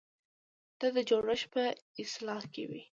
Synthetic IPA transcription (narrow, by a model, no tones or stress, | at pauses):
d̪̥ɑd̪əd͡ʒoɾəʃpəɪslɑhkḛwḭ